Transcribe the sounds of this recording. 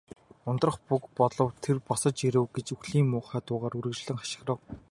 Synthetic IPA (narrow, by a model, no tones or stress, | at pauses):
ʊnt̪rə̆χpukpɔɮɞ̆wt̪ʰerpɔsɞ̆t͡ɕiɾɘ̆wɡet͡ɕuxɮiːŋmmʊːχæːt̪ʊːʁaːɾurɘ̆t͡ɕɮɘ̆ŋχḁʃɪ̆χrə̆w